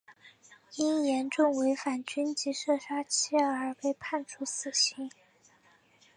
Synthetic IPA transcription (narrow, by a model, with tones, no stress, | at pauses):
i˥njɛ˧˥nʈ͡ʂʊ˥˩ŋwe˧˥ɪfa˨˩nt͡ɕy˥nt͡ɕi˧˥ʂɤ˥˩ʂa˥t͡ɕʰi˥˧ə˞˧˥pe˥˧ɪpʰa˥˩nʈ͡ʂʰu˥sɹ̩˨˩ɕi˧˥ŋ